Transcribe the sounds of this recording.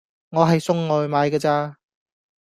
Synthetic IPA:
ŋɔː˨˧ɦɐ˨jsʊ˥ŋːɔː˨˧jmaː˨˧jkɐː˧t͡saː˧

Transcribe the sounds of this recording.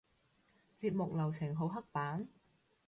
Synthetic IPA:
t͡siː˧p̚mʊ˨k̚lɐ˨˩wt͡sʰɪ˨˩ŋɦo˨˥wɦɐ˥k̚paː˨˥n

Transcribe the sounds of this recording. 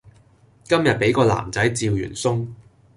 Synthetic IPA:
kɐ˥mjɐ˨t̚pe˨˧˥jkɔː˧la̰ː˨˩mt͡sɐ˨˥jt͡siː˨wjy̰ː˨˩nsʊ˥ŋ

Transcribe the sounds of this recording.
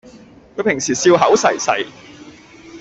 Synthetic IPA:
kʰɵ˨˧ɥpʰɪ˨˩ŋsiː˨˩siː˧wɦɐ˨˥wsɐ˨˩jsɐ̰˨˩j

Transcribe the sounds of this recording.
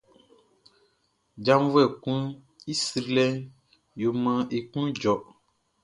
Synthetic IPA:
d͡ʒã˦m˦vu˦ɛ˨kũ˦ | i˦si˨ɾlɛ˦ | jo˨mã˨ʔe˨kũ˦d͡ʒɔ˨

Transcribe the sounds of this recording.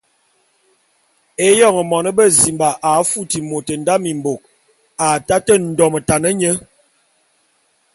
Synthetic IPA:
e˦jɔ˦˨ŋə˨mɔ˨nə˦bə˦zi˨mba˨ʔa˨˦fu˦ti˨mo˨tə˨nda˦mi˨mbo˨k̚ | a˨ta˦tə˦n̩˨dɔ˨mə˨ta˨nə˦ɲə˦

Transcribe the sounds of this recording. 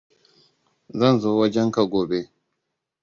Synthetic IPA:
zɐ˦˨nzoː˦wɐ˦d͡ʒɛ˦ŋka˨ɡʷoː˨be˦

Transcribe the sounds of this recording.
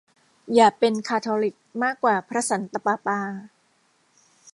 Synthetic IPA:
jaː˨˩pe˧nkʰaː˧t̪ʰoː˧li˨˩k̚maː˥˩kːwaː˨˩pʰɾa˦˥sa˩˦nt̪a˧paː˧paː˧

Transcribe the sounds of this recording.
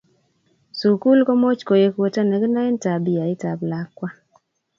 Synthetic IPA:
su˨ku˦lkɔ˦mo˦t͡ʃko˨je˦kwo˦ta˦nɛ˨ɡna˦ɪ˦nta˨bi˨ja˨ɪ˦ta˨bla˨˦kwa˦

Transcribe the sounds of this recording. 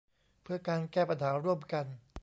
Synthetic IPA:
pʰɯ˥˩ɐkaː˧nkɛː˥˩pa˧naː˩˦˥ɾu˥˩əmka˧n

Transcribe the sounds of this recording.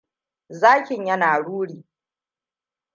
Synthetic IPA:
zaː˦kʲɪ˨ɲjɐ˦naː˨ɽuː˦ɽiː˨

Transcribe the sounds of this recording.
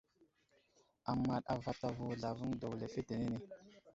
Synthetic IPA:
a˨ma˨ɗa˨va˨ta˨vu˨ɮa˨vu˦ŋdo˨le˨fe˦te˨ne˦ne˨

